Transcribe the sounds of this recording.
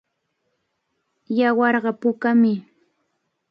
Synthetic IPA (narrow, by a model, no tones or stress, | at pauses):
jawɑɾɢɑpʊkamɪ